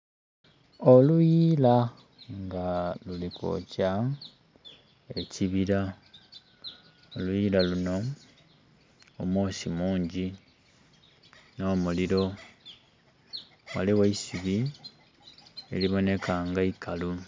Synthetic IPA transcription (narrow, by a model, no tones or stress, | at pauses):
olujila | ŋɡaluliko̰ːca | e̞ciβiɾa | olujilaluno̞ | omwoːsimuːɲɟi | no̞ːmuliɾo̞ | wa̰liwaisiβi | e̞̰liβo̞ne̞kʰaŋɡaikʰalu